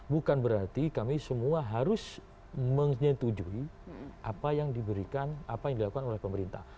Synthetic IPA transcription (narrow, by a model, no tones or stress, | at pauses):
bukanbəɾart̪ikamisəmuaɦaɾʊs | məŋɲət̪ud͡ʒuiʔapajaŋdibəɾikanapajaŋdilakukanolɛhpəməɾint̪a̰h